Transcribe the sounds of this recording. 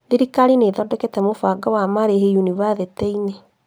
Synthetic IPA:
ðeɾikaɾineðɔdɛkɛtɛmofaɡawamaɾeɦejuniβaðetɛine

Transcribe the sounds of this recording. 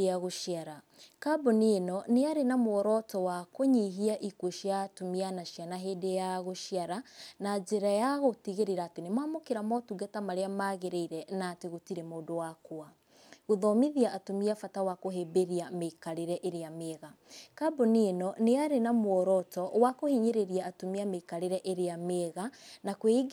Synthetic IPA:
aɣoʃiaɾa | kabonenɔneaɾenamoɔɾɔtɔwakoɲiɦiaʔikoʃiatomianaʃjanaɦedejaɣoʃjaɾanad͡ʒeɾajaɣotiɣeɾeɾaːtenemaːmokeɾamɔtuɡatamaɾeamaɣeɾeiɾɛnateɣotiɾemoːdowakoa | ɣoðɔmiðiaʔatomiafatawakoɦebeɾiameikaɾeɾɛʔeɾeameɣa | kaboninɔneaɾenamwɔɾɔtɔwakohiɲeɾeɾiaːtomiameikaɾeɾɛʔeɾeameɣanakweɡ

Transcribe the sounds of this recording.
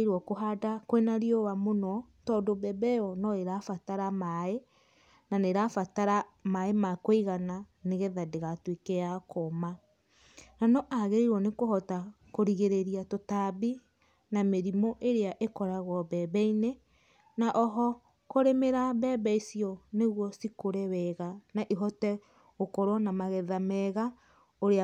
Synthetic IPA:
ɾwɔkoɦadakwenaɾiowamonɔ | tɔːdobɛbɛjɔnɔeɾafataɾamae | naneɾafataɾamaemakwiɣananeɣɛðadeɣatwekeakʰoma | nanɔʔaɣeiɾwɔnekohɔta | koɾiɣeɾeɾiatotabi | nameɾimɔʔeɾeaʔekɔɾaɣwɔbɛbɛine | naʔɔɦɔ | koɾemeɾabɛbɛisiɔneɣwɔsikoɾewɛɣanaʔiɦɔtɛ | okɔɾɔnamaɣɛðamɛɣa | oɾe

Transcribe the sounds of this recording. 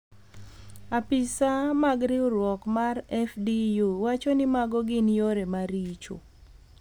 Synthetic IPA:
apɪsamaɡɾɪʊɾwɔkmarɛfdijuwat͡ʃɔnɪmaɡɔɡɪnjoɾemaɾit͡ʃo̰

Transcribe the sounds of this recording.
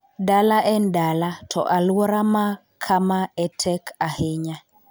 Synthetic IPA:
dalaʔɛndalatʰɔ̰ʔalwɔɾama | kʰamaɛtʰɛkʰaheɲa

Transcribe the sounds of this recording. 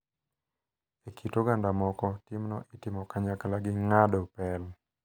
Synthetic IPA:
ekʰitoɡandamɔkɔtɪmnɔ̰ʔɪtɪmɔkaɲakalaɡɪŋadopɛl

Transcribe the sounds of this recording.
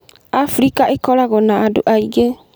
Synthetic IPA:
afɾikaʔekɔɾaɣɔnaado̰ʔaiɡe

